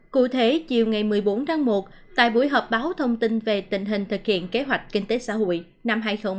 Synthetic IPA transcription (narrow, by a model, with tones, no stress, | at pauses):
kṵ˧˨t̪ʰe˨˦t͡ɕi˨˩əwŋa˨˩jmɨ˨˩əjɓo˨˦nt̪ʰaː˨˧˦ŋmo˨˩t̚ | t̪a̰ː˧˨jɓu˧˩əjɦɔː˨˩p̚ɓaː˨˦wt̪ʰə˧wŋ͡mt̪ï˧nve˨˩t̪ï˧˩ŋ̟ɦï˨˩ŋ̟t̪ʰɨ˨˩k̚hḭ˧˨ənke˨˦ɦwa˨˩jk̟̚kï˧ŋ̟t̪e˨˦sa̰ː˧˥ɦo̰˧˨j | na˧mɦaː˧jxə˧wŋ͡m